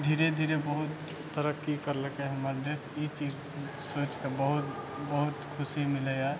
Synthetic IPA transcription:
d̪ʱiːɾed̪ʱiːɾebəɦʊt̪ː | əɾəkːikəɾləkeɦɐmaːɾd̪esit͡ʃiːz | soːt͡ʃkebəɦʊt̪̚ | bəɦʊt̪kʰʊsimɪleja

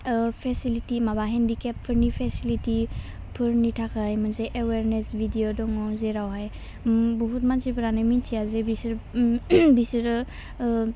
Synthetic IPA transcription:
pʰesilitimabaɦɛndikep̚pʰɯɾnipʰesiliti | pʰɯɾnitʰakʰajmɯnzeʔeweɾnesbʱidijodɔŋɔzeɾawɦaj | buɦut̚mansipʰɯɾanɯmintʰijazebisɾ | bisiɾ

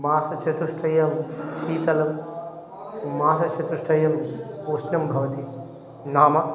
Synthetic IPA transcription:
maːsɐt͡ʃɐt̪uʂʈʰɐjɐmʃiːt̪ɐlɐm | maːsɐt͡ʃʰɐt̪uʂʈʰɐjɐmuʃnɐmbʱɐʋɐt̪i | naːmɐ

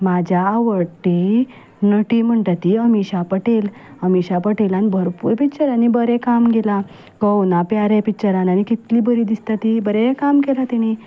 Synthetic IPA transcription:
mad͡ʑʱaːʋəɽʈ̪e | nəʈim̤əɳʈ̪at̪iəmiɕapəʈel | əmiɕapəʈelanibʱəɾpuɾpit͡ɕəɾanːibəɾɛkamɡela | kəwnapjaɾɛpit͡ɕəɾanañikit̪liːbəɾid̪ist̪at̪ibəɾɛkamkelat̪iɽ̃i

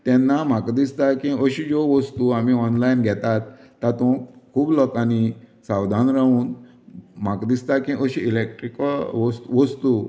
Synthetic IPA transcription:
t̪ɛnːamakd̪ist̪akĩəɕid͡zoʋəst̪uamiɔnlainɡʱɛt̪at̪ː | at̪ɔ̃kʰuːblɔkanisawd̪ʱanɾauːn | m̤akd̪ist̪akĩʔəɕiilek̚ʈɾikʋɔst̪ʋəst̪u

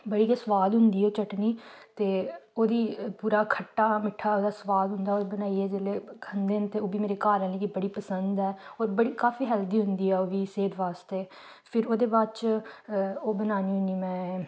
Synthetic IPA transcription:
bəɽiːkesəʋaːd̪ɦʊnd̪iːoːt͡ʃəʈniːt̪eːoːd̪iːpuːɾaːkʰəʈːaːmɪʈʰaːoːd̪aːsʋaːd̪ɦʊ̃nd̪aːoːɾbənaːiɛːd͡ʒeleːkʰənd̪eːnt̪eːoːbiːmeːɾeːkaːɾə̃leːkibəɽiːpəsənd̪ɛːoːɾbəɽiːkaːfiːɦɛːld̪iːɦʊ̃nd̪iːɛːoːʋiːseːd̪ʋaːst̪eː | pʰɪɾoːd̪eːbaːt͡ʃ | oːbənaːniːɦʊ̃niːmɛ̃ː

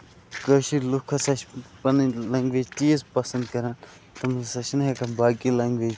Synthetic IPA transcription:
kəʃiɾlukʰːɐsɐt͡ʃpɐnlɐŋɡʋeːd͡ʒt͡ʃiːzpɐsɐnd̪kɐɾaːn | t̪ɐmsɐt͡ʃʰnɦekɐnbaːkilɐŋɡʋeːd͡ʒ

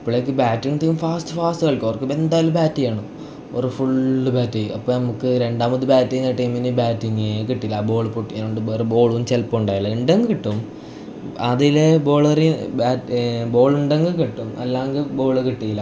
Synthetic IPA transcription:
ipːoɭeːkːɨbaːtːiŋɡt̪iːumfaːstɨ̥faːstɨɣɐɭkʲːoʋɐrkːɨbe̞nd̪aːjɐlumbaːtːijaːɳu | oɾufuɭːɨbaːtːijuɐpːoːnɐmukːɨɾe̞ɳɖaːmɐðɨbaːtːijnɐʈːɐjminɨbaːtːiŋɡkiʈːilːɐbo̞ːɭpoʈːianoɳɖɨberbo̞ːɭuumt͡ɕelpːɐuɳɖaːjilːɐiɳɖeŋɡɨkiʈːum | ɐðilebo̞ːɭɐribaːtbo̞ːɭuɳɖeŋɡɨkiʈːumɐ̰lːaːŋɡɨbo̞ːɭkiʈːijilːɐ

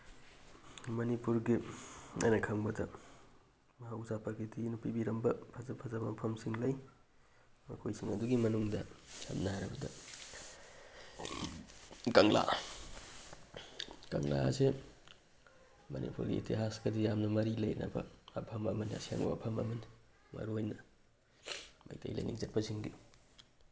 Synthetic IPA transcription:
mɐnipuɾɡia̰jnɐkʰɐŋbɐdɐ | mɐɦauzapʰakitʰinupibiɾɐmbɐpʰɐzɐpʰɐzabɐmɐpʰɐmsiŋlɐj | mɐkʰojsiŋɐduɡimɐnuŋdɐsa̰mnaaɾɐbɐdɐ̰ | kɐŋla̰ | kɐŋla̰se | mɐ̰nʔḭpʰuɾɡḭːtiɦasɡɐdijamnɐmɐɾilɐjnɐ̰bɐ̰ɐpʰɐmɐmɐnja̰sia̰ŋ̰wa̰pʰɐmɐ̰mɐn | mɐ̰ɾuojnɐ | mɐ̰jtʰɐ̰jlɐ̰jniŋzɐt̚pɐsiŋdi

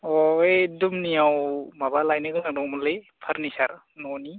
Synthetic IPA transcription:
ɔejdumnijawmabalajnɯɡɯnak̚dɔwmulɯj | pʰaɾnisaɾ | nɔni

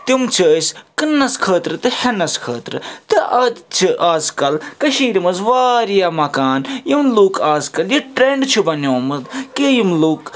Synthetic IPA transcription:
t̪imt͡ʃʰiəskɨnːɐskʰəːt̪ɾɨt̪ɨhɐnɐskʰəːt̪ɾɨ̰t̪ɨɐt͡ʃʰiʔaːzkɐlkɐʃiːɾimɐzʋaːɾijaːmɐkaːnjimluːkʰaːzkɐljiʈɾeɳɖt͡ʃʰubɐnoːmɐd̪kejimluːk

